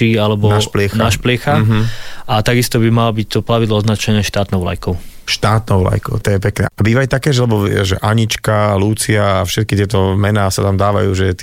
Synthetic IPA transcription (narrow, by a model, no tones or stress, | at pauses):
ialɛbɔnaplɪɛxnaʃplɪɛxaɦat̪aɡist̪ɔbimalɔbic̚t̪ɔplaʋid̪lɔɔznat͡ʃɛnɛʃt̪aːt̪nɔʊla̰jkɔʊʃt̪aːt̪nɔʊla̰jkɔ̰ʊt̪ɔjɛpɛknɛ̰ːabiːʋait̪akɛːʒlɛbɔʋɪɛ̰ʒɛ̰ʔaɲit͡ʃkaːluːt͡siaːfʃɛt̪kit̪ɪɛt̪ɔmɛnaːsat̪amd̪aːʋa̰juːʒɛt̪